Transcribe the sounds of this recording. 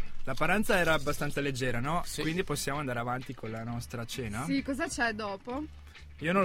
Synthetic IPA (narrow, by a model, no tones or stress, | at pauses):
lapːaɾant̪saɛːɾaːbːast̪ant̪saled͡ʒːɛːɾanɔkwind̪iposːjaːmoand̪aːɾeavant̪ikolanɔst̪ɾat͡ʃɛːnasikɔːzat͡ʃɛd̪ɔːpo | iːonõ